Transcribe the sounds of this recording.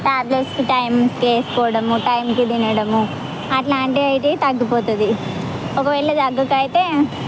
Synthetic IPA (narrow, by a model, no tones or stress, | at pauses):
ʈaːblesʈɐjmskeːskɔːɐɽɐmuʈɐjmkid̪inɐɽɐmu | ɐʈlaːɳʈiɐjiʈ̪et̪ɐɡːipoːt̪und̪i | ɔkɐʋɛːɭːɐd̪ɐɡːɐkɐjit̪eː